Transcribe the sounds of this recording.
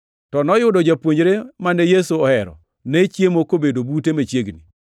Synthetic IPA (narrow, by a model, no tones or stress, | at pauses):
tɔnɔjʊdɔd͡ʒapwoɲɾemanejesuɔhɛɾɔ̰ | net͡ʃjemokobedobutemet͡ʃjeɡni